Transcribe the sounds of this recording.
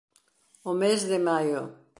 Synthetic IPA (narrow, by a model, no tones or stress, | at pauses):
ʊmezðɪmajʊ̰